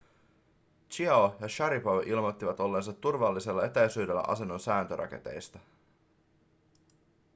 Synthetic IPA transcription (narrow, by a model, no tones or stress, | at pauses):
t͡ʃiɑojɑʃɑɾipoʔilmo̞t̪ːiʋɑt̪o̞lːe̞ns̬ɑt̪ːurʋɑlːise̞lːɑe̞t̪æjsyːde̞lːæ̰ʔɑ̰se̞nːo̞nsæːnt̪øɾʔɑ̰ke̞̰t̪e̞̰jst̪ɑ